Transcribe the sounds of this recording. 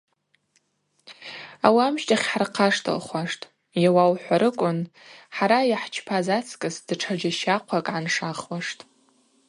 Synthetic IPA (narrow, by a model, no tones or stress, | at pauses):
awamʃtʼaχʲħarqʰaʂtʰɨ̰lχʷaʂtʼ | jawawħʷaɾɨkʷʼʊnħaɾajaħt͡ʃʰpʰazat͡sʰkʼɨsd̥ʈ͡ʂʰad͡ʒaʃaqʷʰakʼʕanʂaχwaʂtʼ